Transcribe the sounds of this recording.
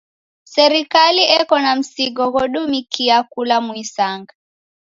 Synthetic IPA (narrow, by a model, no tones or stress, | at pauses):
sɛɾikaliɛkɔnam̩siɡɔɣɔɗumikiakulamwisaŋɡa